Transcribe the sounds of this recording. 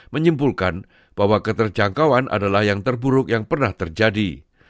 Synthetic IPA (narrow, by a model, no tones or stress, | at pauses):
məɲimpulkan | b̥aɦwakət̪ərd͡ʒaŋkawanʔa̰dalahjaŋt̪ərbuɾʊk̚jaŋpərnaht̪ərd͡ʒadi